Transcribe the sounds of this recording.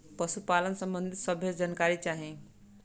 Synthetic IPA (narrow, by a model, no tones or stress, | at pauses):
pʌsupalənsʌmbʌnd̪ʱit̪sʌbʱed͡zʌnkaɾit͡saɦĩ